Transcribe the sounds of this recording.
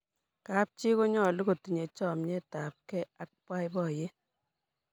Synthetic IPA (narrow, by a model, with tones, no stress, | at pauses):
ka˦p̚t͡ʃi˦ko˦ɲɔ˦˨li˦ko˨ti˨ɲe˨t͡ʃɔ˦˨mɲɛ˦ta˨p̚kɛ˦a˦k̚pwa˦jbɔ˨je˦